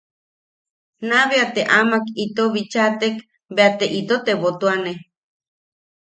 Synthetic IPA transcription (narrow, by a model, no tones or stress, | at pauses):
naβeat̪eʔamakit̪oβit͡ʃat̪ek | beat̪eʔit̪ot̪eβot̪uane